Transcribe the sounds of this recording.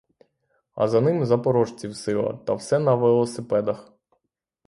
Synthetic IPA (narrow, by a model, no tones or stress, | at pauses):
ɐ̰zɐnɪmzɐpɔɾɔʒt͡sʲiwsɪlˠɐ̰t̪ɐwsɛnɐʋelˠɔsɪpɛd̪ɐx